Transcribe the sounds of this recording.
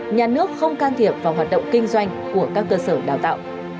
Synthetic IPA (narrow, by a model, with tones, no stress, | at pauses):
ɲaː˨˩nɨ˦˥ək̚xə˧wŋ͡mkaː˧nt̪ʰi˨˩əp̚vaː˨˩wɦwaː˨˩t̚ɗə̰˧˨wŋ͡mkï˧ŋ̟zwa˧jŋ̟ku˧˩əkaː˦˥k̚ːəː˧səː˧˩ɗaː˨˩wt̪a̰ː˧˨wʔ